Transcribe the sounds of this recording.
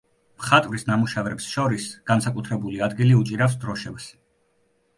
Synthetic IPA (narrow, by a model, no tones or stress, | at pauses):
mχat̪ʼvɾisnamuʃavɾɛpsʃɔɾisɡ̥ansakʼut̪ʰɾɛbuliad̪ɡiliut͡ʃʼiɾafsd̪ɾɔʃɛbs